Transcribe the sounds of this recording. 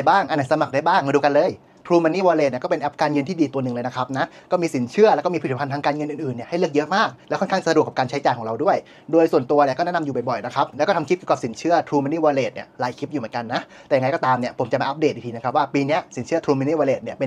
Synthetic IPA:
baː˥˩ŋʔa˨ni˥˩sa˧ma˨˩k̚daː˥˩jbaː˥˩ŋ˧duː˧ka˧nlɤː˧j | t̪ʰɾuː˧ma˧niː˥˩waː˧leː˨˩t̪ni˧˩kːpe˧nʔɛ˦˥p̚kaː˧nŋɤ˧nt̪ʰiː˥˩diː˧t̪u˧nɯ˨˩ŋlɤː˧jna˦˥kʰa˦˥p̚na˦˥kɔː˥˩miː˧si˩˦nt͡ɕʰɯ˥˩ɐlɛː˧˦˥kɔː˥˩mː˧pʰi˨˩a˧nt̪ʰa˧kaː˧nŋɤ˧nʔɯː˨˩nʔɯː˨˩nːi˥˩ɐha˥˩jlɯ˥ək̚jɤ˦˥ʔmaː˥˩k̚lɛː˧˦˥kʰɔ˥˩nkʰa˥˩ŋsa˧du˨˩əka˨˩pkːnt͡ɕʰjt͡ɕaː˨jkʰɔ˩˦ɾa˧wdu˥˩əj | doː˧jsu˨˩ənt̪u˧ɐni˧˩kɔ˥˩nɛ˦˥na˧mjuː˨ba˨˩jbɔ˨˩jna˦˥kʰa˦˥p̚lɛ˧˦˥kɔ˥˩a˧mkʰi˦˥p̚kjka˨˩p̚si˩˦nt͡ɕʰɯ˥˩ɐt̪ʰɾuː˧ma˧niː˥˩waː˧leː˨˩t̪̚nḭ˦˥˩ɐlaː˧jkʰi˦˥p̚juː˨˩˦nka˧nːa˦˥ʔt̪ɛː˨˩ja˧ŋ˧jkɔː˥˩t̪aː˧mni˥˩ɐpʰo˩˦mt͡ɕa˨˩maː˧˩ʔa˦˥p̚deː˨˩˧i˧iː˧na˦˥k̚ʰwaː˥˩piː˧ni˦˥ɐsi˨˩˦nt͡ɕʰɯ˥ɐt̪ʰuː˧ma˧ni˥˩waː˧leː˨˩t̪̚ni˥˩ɐpe˧

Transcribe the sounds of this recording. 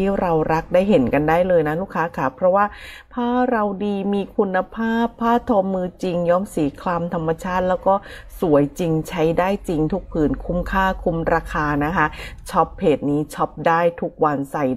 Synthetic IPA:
iː˥˩ɾa˧wɾa˦˥k̚daː˥˩jɦe˩˦nka˧ndaː˥˩jlɤː˧jna˦˥luː˥˩kʰːaː˦˥kʰa˦˥˩pʰɾɔ˦˥waː˥˩ | pʰaː˥˩ɾa˧wdiː˧miː˧kʰu˧nːa˧pʰaː˥˩pʰːaː˥˩t̪ʰo˧mːɯː˧t͡ɕi˧ŋjɔː˦˥msiː˩˦kʰlaː˧mt̪ʰa˧mːa˧t͡ɕʰaː˥˩t̪̚lɛː˦˥wkɔː˥˩su˨˩˦əjt͡ɕi˧ŋt͡ɕʰa˦˥jdaː˥˩jt͡ɕi˧ŋt̪ʰu˦˥k̚pʰɯː˩nkʰu˧mkʰaː˥˩kʰu˧mɾaː˧kʰaː˧na˦˥kʰa˦˥t͡ɕʰɔ˦˥p̚heː˨˩t̪̚niː˦˥t͡ɕʰɔ˦˥p̚daː˥˩jt̪ʰu˦˥k̚wa˧nsa˨˩j

